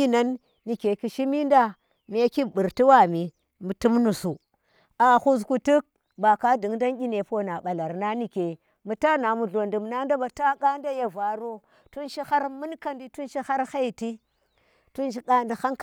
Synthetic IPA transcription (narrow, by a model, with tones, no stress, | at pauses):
i˦na˦nː | i˨ke˨ki˨ʃi˦mi˦nda˦ | me˦ki˦bu˨ɾti˦wa˦mi˨ | mu˨tu˦mnu˨su˨ | a˨xu˦zku˨tu˦k̚ | ba˨ka˦di˨˦ŋda˦nɡʲi˦ne˨po˦na˨ɓa˨la˨ɾna˦ni˨ke˨ | mu˨ta˦na˨mu˨ɮo˨ndu˨mna˦nda˦ba˨ta˦ka˦nda˦ja˨va˨ɾo˦ | tu˦nʃi˦xa˦ɾmu˦nka˦ndi˨tu˦nʃi˦xa˦ɾxa˦jti˦ | tu˦nʃi˦ka˦nda˨xa˦ŋk